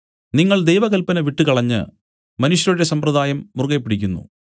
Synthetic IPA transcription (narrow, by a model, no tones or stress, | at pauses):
niŋːɐɭd̪e̞jʋɐɣɐlpɐnɐʋiʈːɨkɐɭɐɲːɨ̰ | mɐnuɕjɐɾiɽesɐmprɐd̪aːjɐmːurɡejpːiɽikʲːunːṵ